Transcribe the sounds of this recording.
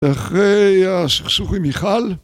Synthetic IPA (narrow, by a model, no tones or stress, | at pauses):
aχʁeaʃiχsuχimiχal